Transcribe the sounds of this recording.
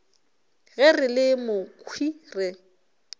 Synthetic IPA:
ɣɛrɪlɪmʊkʰwirɛ

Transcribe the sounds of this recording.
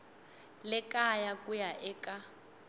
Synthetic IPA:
lɛkajakʼujaʔɛkʼa

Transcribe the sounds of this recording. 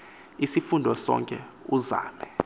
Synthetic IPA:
isifundʱɔsɔ̰ŋkʼɛuza̰ːmɛ

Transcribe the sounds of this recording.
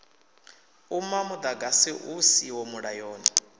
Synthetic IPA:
umamud̪aɡasiʔusiwɔmuɺajɔːni

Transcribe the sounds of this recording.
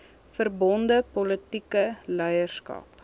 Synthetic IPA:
fərbɔndəpɔlətikəlɛjərskɐ̰ːp

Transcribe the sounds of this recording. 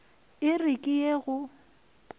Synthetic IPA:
ɪrɪkʼɪjeɣʊ

